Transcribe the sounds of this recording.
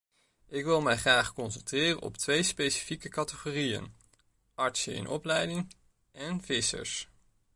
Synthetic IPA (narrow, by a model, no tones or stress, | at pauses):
ɪkʋɪlˠmɛjχraːχkɔnsəntrɪːrə̰nʔɔ̰ptʋejspejsi̥fikəkɑtəχoːrijə̰n | ɑɹtsəɪ̰nʔɔplɛjdɪŋ | ʔɛnvɪsə̰ɹs